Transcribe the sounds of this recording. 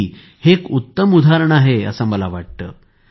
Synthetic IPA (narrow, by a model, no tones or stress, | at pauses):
hekut̪ːəmud̪ʱaɾəɳaɦeə̰səməlaʋaʈ̚t̪ə̰ː